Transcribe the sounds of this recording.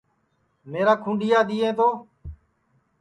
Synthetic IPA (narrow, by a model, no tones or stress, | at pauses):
meːɾaːkʰũːɳɖijaːd̪iːẽːt̪oː